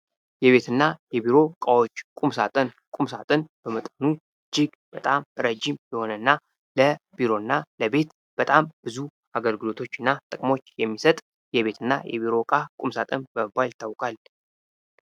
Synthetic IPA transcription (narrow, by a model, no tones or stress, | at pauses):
jɛβe̞t̪ɨnːajɛbiɾo̞kʼawo̞t͡ʃːkʼumsat̪ʼɨn | kʼumsat̪ʼɨnb̥əmət̪ʼənu | d͡ʒɪɡ | b̥ət̪ʼamɾəd͡ʒimjɛho̞nənːa | ləb̥iɾo̞nːaləbe̞t̪ | b̥ət̪ʼambɨzu | aɡəlɡɨlo̞t̪ʰo̞t͡ʃːɨnːat̪ʼɨkʼmo̞t͡ʃːjɛmːisət̪ʼ | jɛβe̞t̪ʰɨnːa̰jʔɛ̰βiɾo̞kʼahkʼumsat̪ʼɨnbəməbajlt̪ʰːawkʼal